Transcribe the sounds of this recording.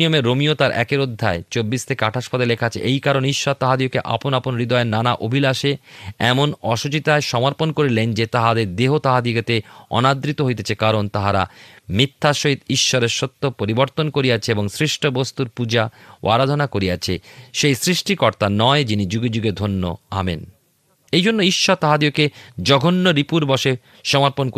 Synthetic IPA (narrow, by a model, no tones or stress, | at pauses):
iomeɾːomiot̪aɾʔɛ̰keɾod̪ʱːaet͡ɕobːist̪ʰekeaʈʰaʃpɔd̪elekʰat͡ɕʰḛʔejkaɾoniʃːɔɾt̪aɦad̪iokeʔa̰ponaponɾid̪ɔenanaʔobʱilaʃeɛmonɔʃut͡ɕit̪aeʃɔmoɾponkoɾilend͡ʑet̪aɦad̪eɾd̪eɦot̪aɦad̪ioɡet̪eɔ̰nad̪ɾit̪oɦojt̪et͡ɕʰekaɾont̪aɦaɾa̰mit̪ʰːaʃoɦit̪iʃːoɾeɾʃot̪ːopoɾiboɾt̪onkoɾiat͡ɕʰeeboŋsɾiʃʈʰobost̪uɾpud͡ʑawʔa̰ɾad̪ʱonakoɾiat͡ɕʰeʃejsɾiʃʈikɔɾt̪anɔed͡ʑinid͡ʑuɡed͡ʑuɡed̪ʱonːo̰a̰mḛn | ejd͡ʑʱonːoiʃːɔɾt̪aɦad̪ioked͡ʑɔɡʱonːoɾipuɾbɔʃe | ʃɔmoɾponk